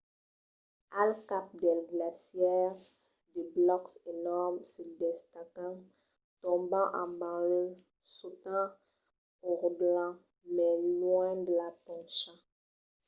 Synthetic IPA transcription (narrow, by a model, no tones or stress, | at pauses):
alkap̚d̪ɛlɡlasjɛʁsd̪eblɔkselɔʁmsəd̪ɛst̪akɑ̃ | t̪ɔ̃bɑ̃ʔɑ̃bãlø | sut̪ã | uʁblɑ̃ | mɛlwɛ̃d̪əlatɔ̃ʃã